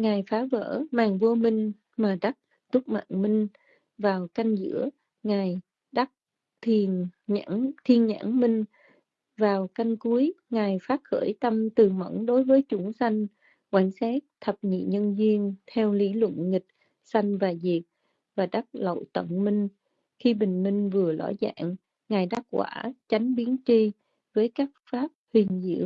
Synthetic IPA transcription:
ŋaː˨˩jfaː˨˦və̰ː˧˩˥maː˨˩ŋvu˧əmï˧ŋ̟ | maː˨˩ɗa˦˥t̚ | t̪ʊ˦˥k͡p̚ma̰ː˧˨nmï˧ŋ̟ | vaː˨˩wka˧jŋ̟zɨ̰˧˥ə | ŋaː˨˩j | ɗa˦˥t̚ | t̪ʰi˧a˧˥ŋt̪ʰi˧˩ənɲa̰ː˧˥ŋmï˧ŋ̟ | vaː˨˩wka˧jŋ̟ku˨˦əjŋaː˨˩jfaː˦˥t̚xə̰ː˧˩jt̪ə˧mt̪ɨ˨˩mə̰˧˩˥nɗo˨˦jvəː˨˦jt͡ɕʊ˨˦ŋsa˧jŋ̟ | kwa˧˩jŋsa˦˥t̚t̪ʰə˨˩p̚ɲḭ˧˨ɲə˧nzi˧ənt̪ʰɛ˧wli˨˦lwə̰˧˨nŋï˨˩k̚ | sa˧jŋ̟vaː˨˩zi˨˩ək̚ | vaː˨˩ɗa˦˥t̚lə̰˧˨wt̪ə̰˧˩˨ŋ͡mmï˧ŋ̟ | xi˧ɓï˨˩ŋ̟mï˧ŋ̟vɨ˨˩əlɔ̰˧˥za̰ː˧˥˨ŋ | ŋaː˨˩jɗa˦˥k̚kwa̰ː˧˩t͡ɕa˨˦jŋ̟ɓi˨˦ənt͡ɕi˧ | vəː˨˦jkaː˦˥k̚faː˦˥p̚hï˨˩ŋ̟zḭ˧˩˨əw

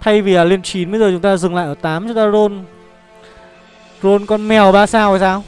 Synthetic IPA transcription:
t̪ʰa˧jvi˨˩ʔaː˨˩le˧nt͡ɕi˨˦nɓə˧jzəː˨˩t͡ɕʊ˨˦ŋ͡mt̪aː˧zɨ˨˩ŋla̰ː˧˨ʔəː˧˩t̪aː˨˦mt͡ɕʊ˨˦ŋ͡mt̪aː˧zo˧n | zo˧nkɔ˧nmɛ˨˩wɓaː˧saː˧wa˨˩saː˧w

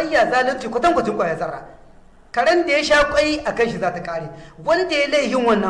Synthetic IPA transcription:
ɐ˦jːaː˨zaː˦lɪ˦t͡ʃiː˨kʷʊ˦tɐ˦ŋkʷɐ˨tɪ˦ŋkʷʼaː˨ja˨˦sʼɐ˦raː˨ | kɐ˨ɽɐ˦nda˨ja˦ʃaː˦kʷʼɐ˦ji˦ʔa˨kɐ˦ʃi˨zaː˦ta˨kʼaː˦ɽeː˨wɐ˦ni˦da˨ja˦la˦jhɪ˨ŋwɐ˦nːɐ˨˦

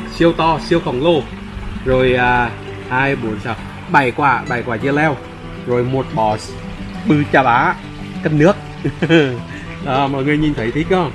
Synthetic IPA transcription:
si˧əwt̪ɔ˧si˧əwxə˨˩wŋ͡mlo˧ | zo˨˩jʔaː˨˩ | ʔaː˧jɓu˨˦ənsaː˨˩w | ɓa˨˩jkwaː˧˩ɓa˨˩jkwaː˧˩t͡ɕɨ˧əlɛ˧w | zo˨˩jmo˨˩t̚ɓɔ˨˩s | ɓɨ˧t͡ɕaː˧˩ɓaː˨˦ | kə˧n̚nɨ˦˥ək̚ | ɗɔː˨˩mɔ˨˩jŋɨ˨əjɲi˨˩nt̪ʰə˨˦jt̪ʰi˦˥k̚ʔɔ˧

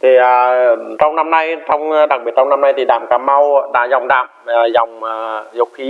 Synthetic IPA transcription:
t̪ʰi˨˩aː˨˩t͡ɕɔ˧wŋ͡mna˧mna˧jt̪ʰɔ˧wŋ͡mɗa˨˩k̚ɓi˨˩ət̚t͡ɕɔ˧wŋ͡mna˧mna˧jt̪ʰi˨˩ɗa̰ː˧˨mkaː˨˦ma˧wɗa̰ː˧˥za˨˩wŋ͡mɗa̰ː˧˨maː˨˩zɔ˨˩wŋ͡mːzo˨˩wŋ͡mxi˧˦

